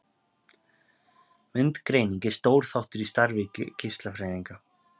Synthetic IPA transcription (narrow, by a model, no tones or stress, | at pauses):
mʏnt̪kɾeːjniɲcɪst̪oːwɾ̥θawht̪ʏɾist̪aɾvɪcɪ̰cʰɪst̪lafɾeːjðiŋka